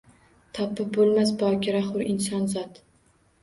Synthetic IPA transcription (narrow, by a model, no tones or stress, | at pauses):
t̪ʰɒpʰɪp̚bolˠmas̬bɒkʲɪɾaχʊɾɪnsɒnzɒt̪